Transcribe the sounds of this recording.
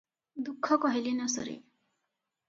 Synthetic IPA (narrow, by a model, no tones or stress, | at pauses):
d̪ukʰːɔkɔɦilinɔsɔ̰ɾḭ